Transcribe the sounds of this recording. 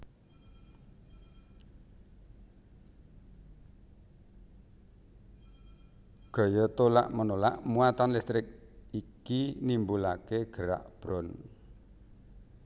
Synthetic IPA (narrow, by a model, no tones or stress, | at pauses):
ɡ̥o̤jət̪ola̰ʔmənola̰ʔmuat̪anlɪst̪ɾɪk̚ikinimbulakeɡ̥əɾa̰ʔb̥ɾɔn